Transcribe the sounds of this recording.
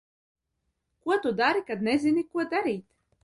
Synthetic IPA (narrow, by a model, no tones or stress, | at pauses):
kuɔt̪ud̪aɾikad̪̚nezʲinʲikuɔd̪aɾiːt̪